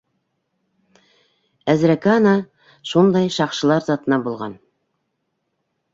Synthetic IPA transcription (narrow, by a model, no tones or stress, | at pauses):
æzɾækænɑ | ʃund̪ɑjʃɑqʃɤ̆lˠɑɾzɑt̪ɤ̆nɑbulˠʁɑ̰n